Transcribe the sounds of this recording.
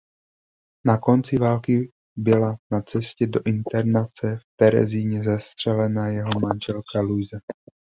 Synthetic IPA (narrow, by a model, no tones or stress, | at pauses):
nako̞nt͡sɪvaːlkɪ | bɪlanat͡sɛscɛdo̞ʔɪnt̪ɛɾnat͡sɛft̪ɛɾɛ̰ziɲɛzɛst̪r̝̥ɛlɛnajɛɦo̞manʒɛlkalujzɛ